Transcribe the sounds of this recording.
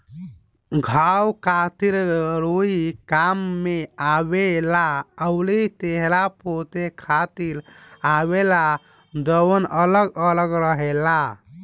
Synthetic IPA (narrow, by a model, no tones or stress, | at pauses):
ɡʱawkʰat̪iɾɾoikamːeabelaəwlit̪eɦlapot̪ekʰat̪ilawela | d̪əwənələɡələɡɾəɦela